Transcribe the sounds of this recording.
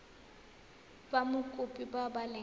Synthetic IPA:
bamʊkʼʊpʼibabalɛ

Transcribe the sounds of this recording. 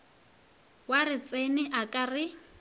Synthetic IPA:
warɪt͡sʼenɪʔakʼarɪ

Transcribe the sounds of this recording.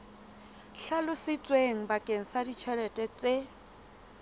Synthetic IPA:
ɬalʊsɪt͡sʼweŋ̩bakʼeŋ̩sadit͡ʃʰɛɾɛtʼɛt͡sʼe

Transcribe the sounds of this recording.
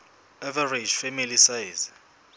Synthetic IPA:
ɛvared͡ʒfɛmilisajz

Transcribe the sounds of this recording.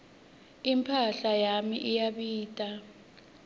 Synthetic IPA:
impʰaɬajamiʔijaɓiːtʼa

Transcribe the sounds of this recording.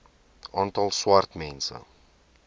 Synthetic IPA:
ɑːntɑlˠswartmɛnsə̰

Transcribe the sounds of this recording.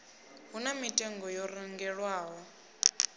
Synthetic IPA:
ɦunamitʼɛŋɡɔjɔriŋɡɛɺwaːɦɔ

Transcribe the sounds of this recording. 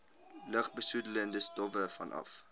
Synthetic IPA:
ləχbəsudələndəstɔvəfɐ̰nʔɐ̰f

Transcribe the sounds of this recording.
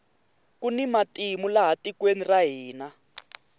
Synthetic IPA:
kunimatimulaɦatikweniraɦiːna

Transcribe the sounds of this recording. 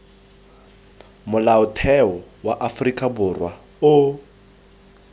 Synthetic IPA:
mʊlaʊtʰɛɔwaʔafrikʼabʊrwa | ʊ

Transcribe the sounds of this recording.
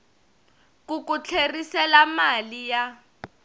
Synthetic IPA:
kukut͡ɬʰerisɛlamalija

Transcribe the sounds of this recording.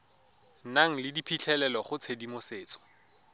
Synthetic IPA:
naŋ̩lɪdipʰit͡ɬʰɛlɛlɔχʊt͡sʰedimʊseːt͡sɔ̥

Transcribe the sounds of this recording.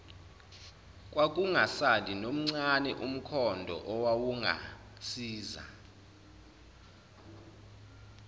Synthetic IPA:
kʼwakʼuŋasalinom̩ŋ͡ǀanɛʔum̩kʰɔndʱɔ̰ʔɔwawuŋa̰ | siːza̰

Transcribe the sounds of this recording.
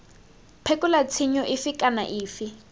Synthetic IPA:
pʰekʼulat͡sʰiɲɔʔifikʼana̰ʔiːfi

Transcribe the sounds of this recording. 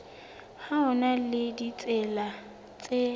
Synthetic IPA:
haʊnalɪdit͡sʼɛla | t͡sʼe

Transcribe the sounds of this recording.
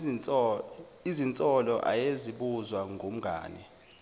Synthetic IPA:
izint͡sʼɔlɔʔa̰jeziɓuzwaŋʱom̩ɡʱa̰ːnɛ

